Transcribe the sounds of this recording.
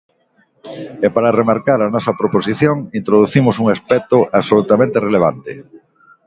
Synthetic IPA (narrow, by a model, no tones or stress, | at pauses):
ɛpaɾaremaɾkaɾɐnɔsɐpɾoposiθjoŋint̪ɾoðuθimʊsuŋaspɛt̪oʔaβsolut̪amẽnt̪ereleβ̞a̰nt̪ɪ̰